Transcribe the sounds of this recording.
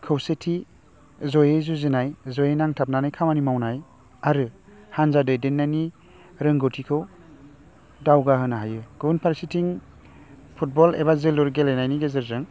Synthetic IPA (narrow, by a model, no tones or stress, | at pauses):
kʰɯwsetʰi | zojezuzɯnajzojenaŋtʰap̚nanajkʰamanimawnaj | aɾɯhanzadɯjdenːajni | ɾɯŋɡotʰikʰɯw | dawɡaɦɯnaɦajɯɡ̥unpʰaɾsitʰiŋ | pʰut̚bɔlḛbazɯluɾɡelenajniɡezɯɾzɯŋ